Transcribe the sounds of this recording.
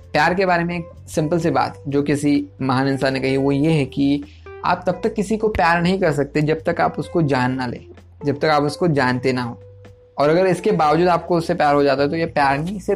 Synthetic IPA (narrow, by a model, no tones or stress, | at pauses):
pjaːɾkebaːɾemẽeːk̚ | sɪ̃mpəls̬eba̰ːt̪d͡ʒoːkɪsimɐɦaːnɪnsaːnekɐɦiʋojeɦɛki | a̰ːp̚t̪ɐb̚t̪ɐkːɪsikopjaːɾnɐɦĩkɐɾs̬ɐk̚t̪ed͡ʒɐb̚t̪ɐka̰ːpʊskod͡ʒaːnːalḛː | d͡ʒɐb̚t̪ɐkaːpʊskod͡ʒaːnt̪enaɦoː | ɔːɾɐɡəɾɪskebaːʋd͡ʒuːd̪aːp̚koʊsːepjaːɾɦod͡ʒaːt̪aɦɛt̪ojepjaːɾnise